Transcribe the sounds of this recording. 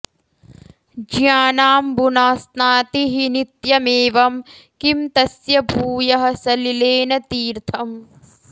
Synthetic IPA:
d͡ʒjaːnaːmbunaːsnaːt̪iɦinit̪jɐmeːʋɐmkimt̪ɐsjɐbʱuːjɐɦɐ̆sɐlileːnɐt̪iːɾt̪ʰɐm

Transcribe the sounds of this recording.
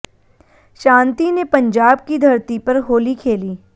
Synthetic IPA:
ʃãːnt̪inepɐ̃ɲd͡ʒaːb̚kid̪ʱɐɾt̪ipɐɾɦoːlikʰeːliː

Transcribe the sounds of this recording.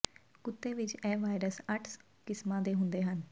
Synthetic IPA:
kʊt̪ːeːʋɪt͡ʃɛːʋaːɪɾəsəʈʰs | kɪsmãːd̪eːɦʊ̃nd̪eːɦən

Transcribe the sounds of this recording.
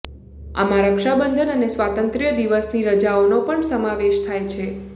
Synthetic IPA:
a̰mãɾəkʃabənd̪ʱənənesʋat̪ənt̪ɾijəd̪iʋəsniɾəd͡ʒaonopəɳsəmaʋeʃt̪ʰajt͡ʃʰe

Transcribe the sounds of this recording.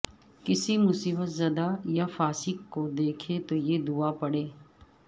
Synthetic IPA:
kɪsimʊsiːbət̪zɐd̪ajafaːsɪkkːod̪eːkʰet̪ojeːd̪uapɐɽeː

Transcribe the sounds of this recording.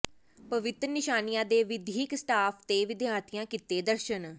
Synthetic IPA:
pəʋɪt̪ɾnɪʃaːnijãːd̪eːʋɪd̪iːksʈaːpʰt̪eːʋɪd̪jaːt̪ʰijãːkɪt̪eːd̪əɾʃən

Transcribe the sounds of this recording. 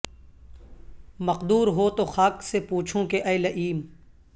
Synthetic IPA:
mɐqd̪uːɾɦoːt̪oxaːksepuːt͡ʃʰõkeʔɐːlɐʔiːm

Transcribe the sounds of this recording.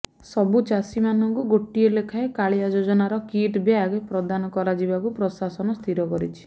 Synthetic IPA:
sɔbut͡ʃasimanɔŋkuɡoʈielekʰaekaɭijad͡ʒod͡ʒɔnaɾɔkiʈbjaɡepɾɔd̪anɔkɔɾad͡ʒibakupɾɔsasɔnɔst̪ʰiɾɔkɔɾit͡ʃʰi̥

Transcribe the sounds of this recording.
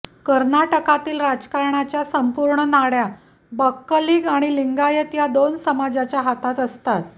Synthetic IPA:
kəɾnaʈəkat̪iːlɾad͡zkaɾɳat͡ɕjasəmpuɾɳənaɽja | bəkːəliːɡaɽ̃iliŋɡajət̪jad̪onsəmad͡ʑat͡ɕjaɦat̪at̪əst̪at̪̚

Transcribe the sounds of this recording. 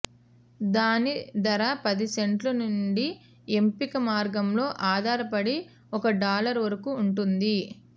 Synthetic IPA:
d̪aːnid̪ɐɾɐpɐd̪iseɳʈlɐnuɳɖi | e̞mpikɐmaːɾɡɐmlo̞ːʔaːd̪ʱaːɾɐpɐɽi | ɔkɐɖaːlɐɾʋɐɾɐkuːɳʈund̪i

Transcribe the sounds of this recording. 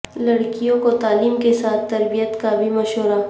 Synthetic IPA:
lɐɽkijõkot̪aːliːmkesaːt̪ːɐɾbijət̪kabʱimɐʃɦoɾa

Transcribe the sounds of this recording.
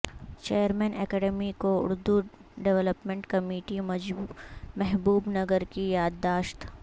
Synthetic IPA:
t͡ʃeːjəɾmɛːnɛːkɛːɖɛmikoʊ̰ɾd̪uɖeʋələpmẽɳʈkɐmiːʈi | mɛɦbuːbnɐɡəɾkijaːd̪d̪ːaːʃt̪

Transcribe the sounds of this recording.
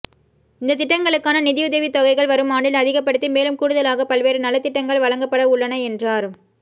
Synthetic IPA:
ɪnd̪ɐt̪ːɪʈːɐŋɡɐɭɯkːaːnɐnɪðɪjʊðɐʋit̪ːɔɣɐɪɣɐɭʋɐɾɯmaːɳɖɪlɐðɪɣɐp̬ːɐɽɯt̪ːimeːlɯmkuːɽɯðɐlaːɣɐpɐlʋeːɾɯnɐlːɐt̪ːɪʈːɐŋɡɐɭʋɐɭɐŋɡɐpːɐɽɐʊɭːɐnɐɛndraːɾ

